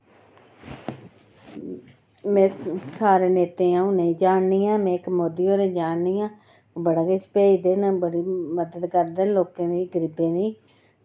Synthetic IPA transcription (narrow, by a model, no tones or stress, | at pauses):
mɛ̃ːsaːɾeːneːt̪ẽːãːũːnẽːd͡ʒaːnːiːãːmɛ̃ːkəmoːd̪iːoːɾeːd͡ʒaːnːiːãː | bəɽaːkespeːid̪eːnəbəɽiːməd̪əd̪kəɾd̪ɛːloːkãːd̪iːɡəɾibeːniː